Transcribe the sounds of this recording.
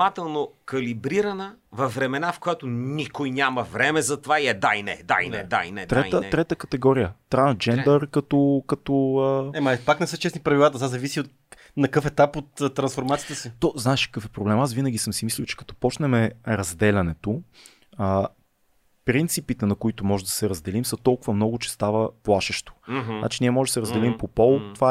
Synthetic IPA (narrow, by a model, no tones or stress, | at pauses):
mat̪ɛlˠnokɐlibɾiɾɐnəvɐfːɾɛmɛnafkojat̪onikojnʲjamɐvɾɛmɛzɐt̪ovaiɛd̪ainɛ̰d̪a̰ḭnɛ̰d̪a̰inɛt̪ɾɾɛəɾɛt̪əkɐt̪ɛɡɔɾijət̪ɾansd͡ʒɛnd̪əɾkɐt̪ɔkɐt̪ɔəɛmɐpaknɛsɤt͡ʃɛsnipɾɐvilˠat̪ət̪azɐvisiot̪ | nɐkɤfɛt̪apot̪ːtːɾɐnsfoɾmat̪sijət̪əsit̪ɔznaɛʃkə̥kɤfɛpɾoblɛmasvinəɡʲisɤmsimislʲilwˠt͡ʃɛ̥kɐ̥t̪ɔ̥pɔt͡ʃnɛmɛɾɐzd̪ɛlʲɐnɛt̪o | ə | pɾint̪sipit̪ɛnɐkoit̪omɔʒɛd̪ɐ̥sɛɾɐzd̪ɛlimsət̪ɔlˠkʊvəmnɔɡʊt͡ʃɛ̥st̪avəplˠaʃɛʃt̪o̥na̰t͡ʃiniəmɔʒɛd̪ɐsɛɾəzd̪ɛlimpopɔlˠt̪ova